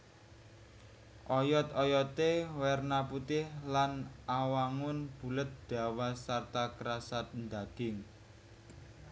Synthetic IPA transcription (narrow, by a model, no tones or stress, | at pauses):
ʔɔjɔt̪ɔjɔt̪ewɛrnaput̪ɪhlanawaŋʊnb̥ṳlət̪̚d̪̥ä̤wasart̪akɾasat̪̚nd̪aɡ̥ɪŋ